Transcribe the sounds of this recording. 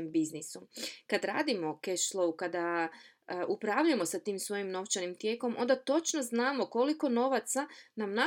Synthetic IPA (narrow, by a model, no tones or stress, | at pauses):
embiznisukad̪ɾaːd̪imo̞keʃlˠoukad̪a | ʔupɾaʋʎujemo̞sat̪iːmsʋo̞jimno̞ʋt͡ʃanimt̪je̞ːko̞mʔo̰nd̪at̪o̞t͡ʃnoznaːmo̞ko̞liko̞no̞ʋat̪sanamna